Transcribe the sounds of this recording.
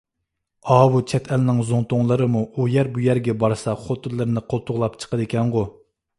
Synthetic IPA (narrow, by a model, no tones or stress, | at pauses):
ɑːwut͡ʃʰɛt̪ʰælnɪŋzoŋt̪oŋlˠəɾɨmuujɛɾbujæɾɡʲɛbɑɾsɑχot̪ʰɨlˠːɨɾnɨqʰolˠt̪ʰʊʁlˠɑp̚t͡ʃʰə̥qəd̪ekʲʰɛŋʁʊ